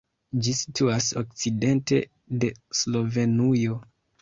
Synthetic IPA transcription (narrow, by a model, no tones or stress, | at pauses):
d͡ʒisi̥tuasok̚t͡side̞nte̞̰ | de̞slo̞ve̞nujo̞